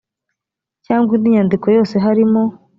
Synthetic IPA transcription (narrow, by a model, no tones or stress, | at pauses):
caːŋɡwindiɲandiko̞jo̞ːse̞ɦaɾimo̞